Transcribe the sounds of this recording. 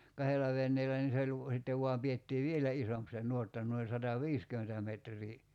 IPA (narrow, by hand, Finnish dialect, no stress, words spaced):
kɑhelːɑ ʋenːeːlæ niː se olʲ ʋ sitːeʋ ʋuɑm pietːiː ʋielæ isomp se nˑuotːɑ nuoi sɑtɑʋiːskymentæ metrˑiː